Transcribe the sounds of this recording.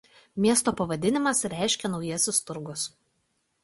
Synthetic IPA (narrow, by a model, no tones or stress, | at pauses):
mʲiɛst̪oːpɐʋɐd̪ʲɪnʲɪmɐsɾʲæˑɪʃʲkʲɛnɒʊjiɛsʲʊst̪ʊɾɡʊs